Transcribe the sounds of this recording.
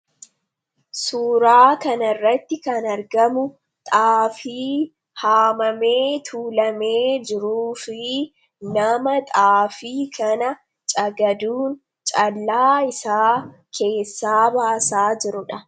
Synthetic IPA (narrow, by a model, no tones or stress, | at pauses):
suːɾaːkɐnɐrːɐt̪ːɪkɐnɐɾɡɐmʊ | t̪ʼaːfiː | haːmɐme̞ːt̪ʰuːlɐmeːd͡ʒɪɾuːfɪ | nɐmɐt̪ʼaːfiːkʰɐnɐ | t͡ʃʼɐɡɐd̪uːn | t͡ʃʼɐlːaːɪsaː | kʰe̞ːsːaːbaːsaːd͡ʒɪɾʊᶑɐ